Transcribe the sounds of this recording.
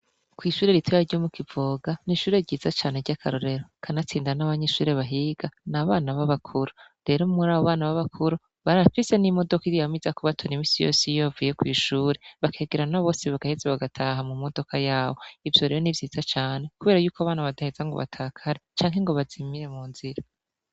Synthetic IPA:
kwiːʃuːɾeɾitʰojaɾɟomukivo̞ːɡaniʃuːɾe̞ɟiːzat͡ʃaːne̞ɾɟakʰaɾoɾe̞ɾo̞kʰanat͡siːndiɾanaβaɲeʃuːɾe̞βaɦiɡ̥anaβaːnaβaβakʰuɾuɾe̞ɾomuɾaːβoβaːnaβaβakʰuɾu | βaɾafise̞nimo̞do̞kiɾijamizakoβatʰonimiːsijo̰sijoβvuje̞kwiːʃuːɾe̞βakʰe̞ːɡeɾanaβo̞ːseβaɡahezaβaɡatʰaɦamumo̞do̞kajaːβo̞ivjo̞ɾe̞ːɾonivjiːzat͡ʃaːne̞kuβe̞ːɾajuːkaβaːnaβadahezaŋɡo̞̰βa̰tʰaːkʰaɾet͡ʃaːŋ̥ɦe̞ŋɡo̞βazimiɾe̞muːnziɾa

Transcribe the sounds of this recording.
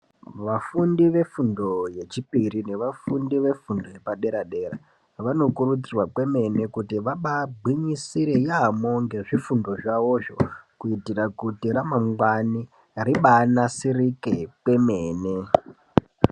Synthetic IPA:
ʋafundiʋe̞fundo̞je̞t͡ʃipiɾine̞ʋafundiʋe̞fundo̞je̞paɗe̞ɾaɗe̞ɾa̰ | ʋano̞kuɾut͡sirwakwe̞me̞ne̞kutiʋaɓabʱwiɲisiɾe̞jaːmo̞ŋɡe̞ʐifundo̞ʐaʋo̞ʐo̞̰kuitirakutiɾamamɡwani | riɓanasirikekwe̞me̞ːne

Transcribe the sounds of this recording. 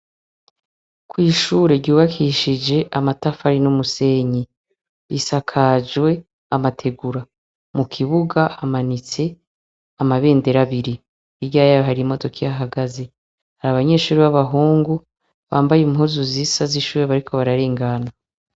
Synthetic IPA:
kwiːʃuːɾe̞ɾɟuːβakʰiʃid͡ʒe̞ʔamatafaɾinumuse̞ɲi | isakʰad͡ʒwe̞ | amatʰe̞ɡuɾa | mukʰiβuɡaamanit͡se̞ | amaβe̞ːnde̞ɾaβiɾi | ibɟaːjajoɦaɾimo̞do̞kʰijaɦaɡaze̞ | haɾaβaɲe̞ːʃuːɾiβaβaɦuːŋɡu | βaːmbajimhuzuzisaziʃuːɾeβaɾikʰo̞βaɾaɾe̞ːŋɡana

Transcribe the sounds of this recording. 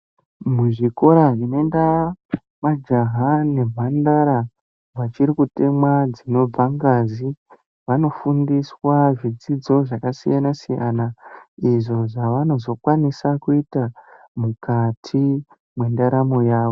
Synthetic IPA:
muʐiko̞ɾaʐinonda | mad͡ʒaɦane̞bʱandaɾa | ʋat͡ʃiɾikute̞mwad͡zino̞b͡vaŋɡazi | ʋano̞fundiswaʐid͡zid͡zo̞ʐakasijanasija̰naiʐo̞ʐaʋano̞zokwanisakuita | mukatʰi | mwe̞ndaɾamojaːʋo̞

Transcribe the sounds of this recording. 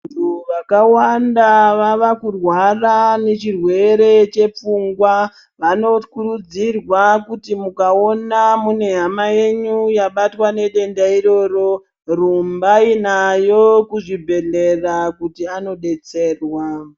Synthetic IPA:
ntʰuʋakawandaʋaʋakurwarane̞t͡ʃirwe̞ɾe̞t͡ʃe̞p͡fuŋɡwa | ʋano̞kuɾud͡zirwakutimukao̞namune̞ɦamaje̞ɲujaɓatwane̞ɗe̞ndaiɾo̞ɾo̞ | rumbainajo̞kuʐibʱe̞le̞rakutiano̞ɗe̞t͡se̞ːrwa

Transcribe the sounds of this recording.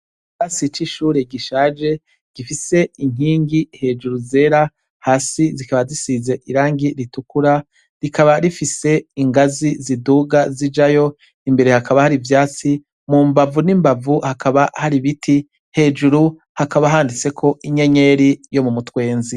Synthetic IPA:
ɡasit͡ʃiʃuːɾe̞ɡiʃaːd͡ʒe̞ | ɡ̥ifise̞iŋ̥iːŋɡihe̞ːd͡ʒuɾuze̞ːɾa | haːsizikaβazisize̞ʔiɾaːŋɡiɾitukuɾa | ɾikaβaɾifise̞iŋɡaziziduːɡazid͡ʒajo̞ | imbe̞ɾe̞hakʰaβahaɾivjaːt͡si | mumbavunimbavuhakʰaβahaɾiβitʰi | he̞ːd͡ʒuɾu | hakaβaɦaːndit͡se̞kʰo̞ʔiɲe̞ɲe̞ɾijo̞mumutwe̞ːnzi

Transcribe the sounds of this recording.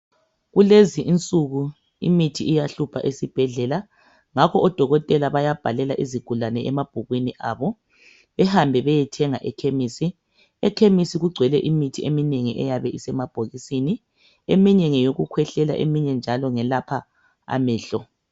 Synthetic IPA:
ɣuleziʔint͡sʼuɣu | ḭmitʰiijaɬupʰa̰ʔesib̥ʱɛɮɛla | ŋakʰɔʔɔd̥ʱɔɣɔtʼɛlaβajab̥ʱalɛlaʔiziɡ̥ʱulanɛɛmab̥ʱuɣwiniʔaːβɔ | ɛhambʱɛβɛjɛtʰɛŋaʔɛkʰemisi | ɛkʰemisiɣuɡ͡ǀʱwɛlɛʔimitʰiemineŋiʔɛjaβɛisɛmab̥ʱoɣisini | emiɲɛŋɛjoɣukʰwɛɬɛla̰ʔemiɲɛnd͡ʒʱalɔŋɛlapʰa | a̰mɛːɬɔ

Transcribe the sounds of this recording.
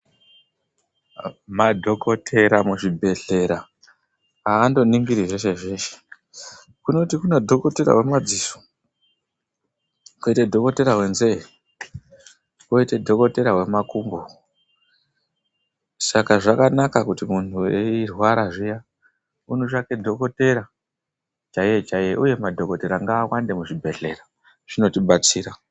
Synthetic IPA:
madʱo̞kʰo̞tʰe̞ɾamuʐibʱe̞ɮe̞ɾa | aːndo̞niŋɡiɾiʐeʃeʐe̞ːʃe̥ | kuno̞tikune̞dʱo̞ko̞te̞ɾa̰ɦwe̞mad͡ziso̥ | koitedʱo̞ko̞te̞ɾaɦwe̞nze̞i | koitedʱo̞ko̞te̞ɾaɦwe̞makumbo | sakaʐakanakakutimuntuweirwaɾaʐija | unot͡ʃakedʱo̞ko̞te̞ɾa | t͡ʃaiet͡ʃaijeʔujemadʱo̞ko̞te̞ɾaŋɡaːwande̞muʐibʱe̞ɮe̞̰ra | ʐ̥ino̞tiɓat͡siːɾa

